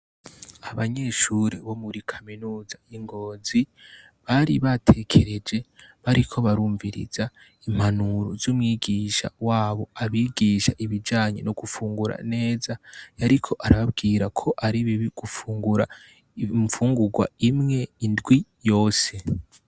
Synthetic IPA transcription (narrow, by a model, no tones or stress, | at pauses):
aβaɲe̞ʃuɾiβo̞muɾikʰaminuːzajiŋɡo̞ːzi | βaɾiβatʰe̞kʰe̞ɾe̞d͡ʒe̞βaɾikʰo̞βaɾuːɱviɾḭza | im̥hanuɾozuːmŋiːɡiːʃa̰waːβo̞aβiːɡiːʃaʔiβid͡ʒaːɲe̞̰noɡufuːŋɡuɾa̰ne̞ːzajaɾikʰo̞ʔaɾaβabɡiːɾakʰo̞ʔaɾiβiβiɡ̥ufuːŋɡuɾa | fuːŋɡuɡwa̰imŋe̞indɡwijo̞ːse̞